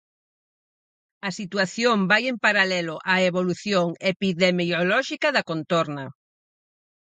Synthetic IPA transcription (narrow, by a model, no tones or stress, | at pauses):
ɐsit̪waθjombajempaɾalɛlʊʔaeβoluθjoŋepiðemiolɔʃikɐðɐkont̪oɾnɐ